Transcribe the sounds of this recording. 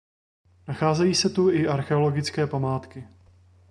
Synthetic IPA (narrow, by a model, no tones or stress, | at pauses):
naxaːzɛjiːsɛt̪uɪʔaɾxɛolo̞ɡɪt͡skɛːpamaːt̪kɪ